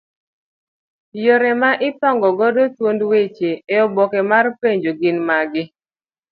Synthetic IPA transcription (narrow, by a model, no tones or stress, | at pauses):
joɾɛmaʔɪtɔŋɡɔɡɔdotwondwet͡ʃeeɔbɔkɛmarpeɲd͡ʒoɡɪnmaɡɪ